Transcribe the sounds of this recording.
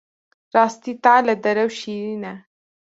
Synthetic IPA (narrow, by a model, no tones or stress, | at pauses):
ɾɑːst̪it̪alad̪ɐɾɐwʃiɾina